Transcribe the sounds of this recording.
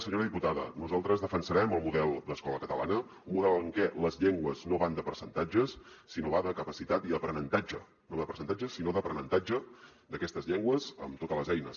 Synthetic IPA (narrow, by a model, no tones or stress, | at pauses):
səɲoɾəðiput̪aðə̰nuzalˠt̪ɾəzðəfənsəɾɛməlˠmuðɛlˠd̪əskɔləkət̪ə̰lʔa̰nə | umuðɛləŋkɛləzʎeŋɡwəznoβand̪əpəɾsənt̪ad͡ʒəsː | inoβaðəkəpəsit̪at̪iðəpɾənənt̪ad͡ʒə̰ | noaðəpəɾsənt̪ad͡ʒəsinoðəpɾənənt̪ad͡ʒə | d̪əkɛst̪əzʎeŋɡwəzə̰mt̪ot̪ələzɛjnə̰s